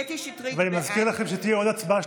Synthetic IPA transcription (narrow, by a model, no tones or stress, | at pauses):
veanimazkiʁlaχe̞mʃet̪ijeo̞d̪at͡sbaʃ